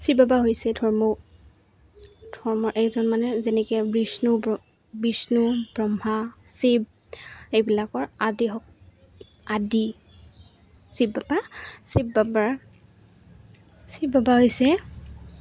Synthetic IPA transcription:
sibabaɦojsɛdʰʱɔɹmɔ | dʱɔɹmɔɹʔɛkzɔnmanɛzɛnɛkɛbɹisnu | bisnubɹɔmhasib̚ejbilakɔɹadiɦɔ | adi | sibːabasibːabaɹ | sibbabaɦojsɛ

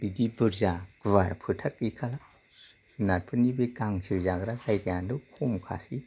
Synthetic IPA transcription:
didibɯɾzaɡβaɾpʰɯtʰak̚ikʰala | nat̚pʰɯnibekaŋsʰizaɡɾazajdijandukʰumkʰa̰si

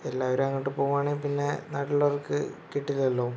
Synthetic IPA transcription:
elːaːʋɐɾaːŋːɐʈːɨpoːɣumaːɳɨpinːe̞naːɽilɐorkɨ̰kiʈːilɐlːoː

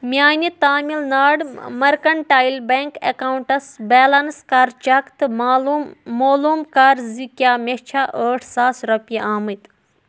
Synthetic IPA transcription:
mʲjaːnit̪aːmilnaːɖmɐɾkɐɳʈaːjlbeŋkekawuɳʈɐsbɛːlɐnskaɾt͡ʃɐkt̪ | moːluːmkaɾzikjaːmʲet͡ʃʰaːʔəːʈʰsaːsɾɐpjeaːmɨt̪

